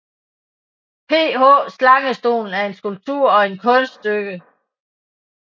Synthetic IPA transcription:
pʰe̝̰ːhɔ̰slɑ̈ŋəsd̥o̝̰ːln̩æɐe̝nsɡ̥ulb̥̚t͡sʰuɐ̰ɒ̽e̝nkʰɔ̽nsd̥øɡ̥ə

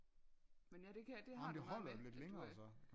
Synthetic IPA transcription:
menædekæd̥emnd̥e̝ɦɒ̽l̰ɐjole̝d̥leŋɐːsɒ̽

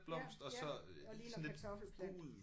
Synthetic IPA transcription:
b̥lɒ̽m̰sd̥ɒ̽sɒ̽ | snle̝d̥ʰlˠ

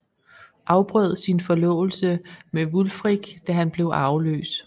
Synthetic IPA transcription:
ʔɑ̈ʊb̥ʁœð̞̰ˠsinfɒ̽lɔ̰̽ːʊl̩səmeʋulfʁiɡ̥d̥æɦænb̥le̝ʊʔɑ̈ʊlø̰ːs

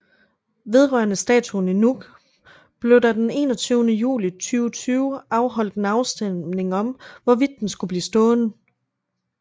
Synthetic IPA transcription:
ʋe̝ð̞ˠʁɶɐnəsd̥ɛ̰ːt͡sʰuninuɡ̥ | b̥le̝ʊd̥æd̥ene̝ːnɒt͡sʰyːʊnəjṵːlit͡sʰyːʊt͡sʰyːʊɑ̈ʊɦɒ̽l̰d̥enɑ̈ʊsd̥ene̝ŋɒ̽mʋɒʋid̥̚ensɡ̥ub̥lḭːsd̥ɔ̽ːnə

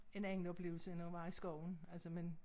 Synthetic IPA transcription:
e̝nen̩ɒ̽b̥le̝ːʊl̩səenʋɑ̈isɡ̥ɒʊ̰n̩ælsəmen

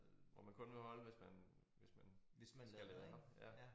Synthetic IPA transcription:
ʋɒmænkʰɔ̽nʋe̝hɒ̽ləʋe̝smæn | ʋe̝smænssɡ̥ælɛːðˠɑjæ

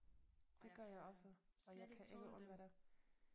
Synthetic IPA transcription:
d̥e̝ɡ̥ɶɐjɑ̈ɪɒ̽səɒ̽jɑ̈ɪkʰæʔeɡ̥əʔɔ̽nʋæɾ̥æ

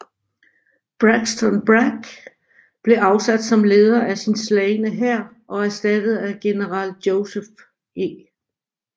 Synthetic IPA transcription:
b̥ʁaɡ̥sd̥ɒnb̥ʁaɡ̥ | b̥le̝ʔɑ̈ʊsæd̥sɒ̽mle̝ːð̞ˠɐæsinslɛɪnəɦæɐ̰ | ʔɒ̽æɐsd̥æd̥ð̞̩ˠæɡ̥e̝nəʁɑ̈ːljoʊsef | e̝

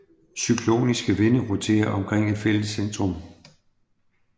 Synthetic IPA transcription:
sykʰlo̝̰ːnisɡ̥əʋe̝nəʁot͡sʰe̝̰ːɐʔɒ̽mkʰʁɛŋ̰e̝d̥fel̰əsːend̥ʁɔm

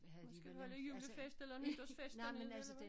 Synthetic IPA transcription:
nusɡ̥æduhɒləjyləfesd̥elɐnyd̥ɐsfesdenel

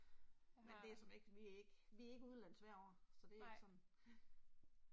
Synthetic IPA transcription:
mendd̥e̝æsɒ̽me̝ɡ̥əʋiæeɡ̥ʋiæe̝ɡ̥əuð̞ˠlæn̰̩sʋæɐ̰ɒ̰ːsɒ̽d̥e̝æe̝ɡsɒ̽n

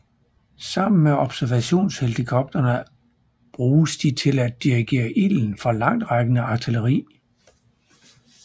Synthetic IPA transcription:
sɑ̈m̰n̩meɒ̽b̥sæɐʋæɕo̝̰ːnsheld̥ikʰɒ̽b̥̚d̥ɐnə | b̥ʁuːsd̥it͡sʰe̝læd̥ːiʁiɡ̥e̝̰ːɐʔiln̩fʁɑlɑ̈ŋ̰d̥ʁɑɡ̥ənəɑ̈t͡sʰiləʁḭː

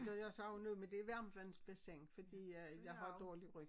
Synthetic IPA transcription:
d̥ɒjɑsɑʊnoðˠmend̥e̝ʋæɐmʋænsb̥æseŋ̰fɒd̥ḭːjɑ̈ɪɦɑ̈d̥ɒːliʁøɡ̥

